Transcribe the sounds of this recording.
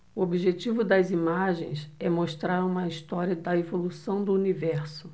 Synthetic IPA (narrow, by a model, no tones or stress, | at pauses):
ʊobiʒet͡ʃivʊd̪ɐzimaʒḛ̃j̃sɛmoʃt̪ɾaɾũmɐist̪ɔɾiɐd̪ɐevolusɐ̃w̃d̪ʊunivɛɾsʊ